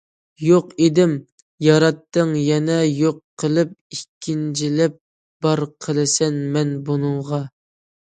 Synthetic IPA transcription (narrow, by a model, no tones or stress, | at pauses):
joqed̪ɪm | jɑɾɑt̪ːəŋjɛnɛjoqʰːəlˠɨp̚ikʲʰːind͡ʒʰilɪp̚ | b̥ɑɾqʰəlˠɨsɛnmɛnbunɨŋʁɑ